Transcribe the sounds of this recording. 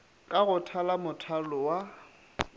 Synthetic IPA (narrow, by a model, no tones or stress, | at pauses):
kʼaɣʊtʰalamʊtʰalʊwa